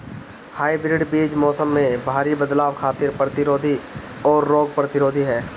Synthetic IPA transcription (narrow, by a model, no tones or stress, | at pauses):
haːibɾɪɖbiːd͡ʒmɔːsəmːẽbʱaːɾibəd̪laːʋkʰaːt̪ɪɾpɾət̪ɪɾoːd̪ʱi | ɔːɾːoːɡ̚pɾət̪ɪɾoːd̪ʱiɦɛː